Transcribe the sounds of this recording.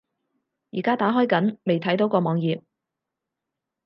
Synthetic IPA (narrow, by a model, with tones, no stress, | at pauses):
jiː˨˩kaː˥t̪aː˨˥ɦɔː˥jkɐ˨˥nme˨jt̪ʰɐ˨˥jt̪o˨˥wkɔː˧mɔː˨˧ŋjiː˨p̚